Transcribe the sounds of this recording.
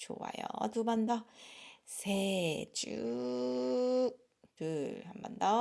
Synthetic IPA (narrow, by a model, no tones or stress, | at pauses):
t͡ɕowa̰jotɯmandʌ | sʰed͡ʑu | tɯhambʌndʌ